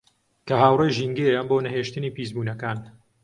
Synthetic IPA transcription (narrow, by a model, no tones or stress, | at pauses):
kɐɦaːwrejʒiŋɡejamboːnɐɦeːʃt̪ɨniːpiːzbuːnɐkaːn